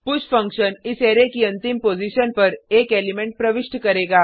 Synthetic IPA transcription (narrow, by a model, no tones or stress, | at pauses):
pʊt͡ʃfə̃ŋkʃəniseɾekiə̃nt̪impod͡ʑiʃənpəɾekelimẽɳʈ̚pɾəʋɪʂʈkəɾeɡaː